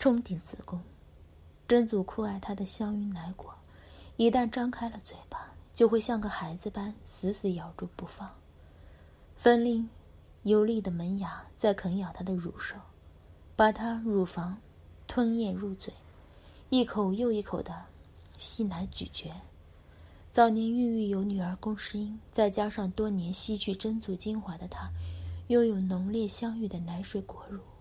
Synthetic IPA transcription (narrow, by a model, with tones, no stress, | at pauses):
ʈ͡ʂʰʊ˥ŋt̪i˨˧˩nt͡sɹ̩˨˩kʊ˥ŋ | ʈ͡ʂə˥nt͡su˨˩kʰu˥˧a˥˩ɪt̪ʰa˥d̪ə˨ɕjɑ˥ŋy˧˥nna˧˥ɪkwɔ˨˩˦ | i˧˥t̪a˥˩nʈ͡ʂɑ˥ŋkʰa˥ɪlə˨t͡swe˨˩ɪbɐ˦t͡ɕjo˥˧ʊxwe˥˧ɪɕjɑ˥˧ŋɡə˨˩xa˧˥ɪd͡zɹ̩˧pa˥nsɹ̩˧˥sɹ̩˧˥jɑ˨˩ʊʈ͡ʂu˥˧pu˧˥˩fɑ˥˩ŋ | fə˥nli˥˩ŋ | jo˧˥ʊli˥˩d̪ə˩mə˧˥nja˧˥t͡sa˥˩ɪkʰə˧˥ŋjɑ˨˩ʊt̪ʰa˥d̪ə˨ɻṵ˨˩ʂo˥˩ʊ | pa˨˩t̪ʰa˥ɻu˨˩fɑ˧˥ŋ | t̪ʰwə˥njɛ˥˧nɻu˥˩t͡swe˨˩˦ɪ | i˥˩kʰo˨˩ʊjo˥˧ʊi˥˩kʰo˨˩ʊd̪ə˦ | ɕi˥˩na˧˥ɪt͡ɕy̰˨˩t͡ɕɥɛ˧˥ | t͡sɑ˥˩ʊnjɛ˧˥ny˥˧y˥˩jo˧˥ʊny˨˩ə˞˧˥kʊ˥ŋʂɻ̩˥i˥nt͡sa˥˩ɪt͡ɕja˥ʂɑ˥˧ŋt̪wɔ˥njɛ˧˥nɕi˥t͡ɕʰy˥˩ʈ͡ʂə˥nt͡su˧˥t͡ɕi˥nxwa˧˥d̪ə˧t̪ʰa˥jo˥˩ʊjo˨˩ʊnʊ˧˥ŋljɛ˥˩ɕjɑ˥ŋy˥˩d̪ə˩na˧˥nʂwe˨˩ɪkwɔ˧˥ɻu˥˩˦